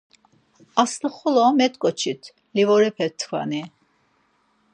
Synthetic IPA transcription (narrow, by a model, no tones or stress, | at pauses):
asləχɔlɔmɛt̪ʼkʼɔt͡ʃʰit̪ʰ | livɔɾɛpʰɛt̪ʰkʰva̰ni